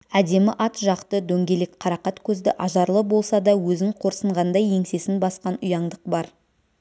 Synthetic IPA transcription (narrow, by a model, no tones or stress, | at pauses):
æd̪e̞mɪʔɑt̪ʒɑqt̪əd̪ɵŋɡʲe̞lekqʰɑɾɑqɑt̪kʲʰɵzd̪ɪʔɑʒɑɾlˠəbo̞lˠsɑd̪ɑwɵzɪɴqʰoɾsəɴʁɑnd̪ɑje̞ŋse̞sɪnbɑsqɑnʊjɑɴd̪əq̚bɑɾ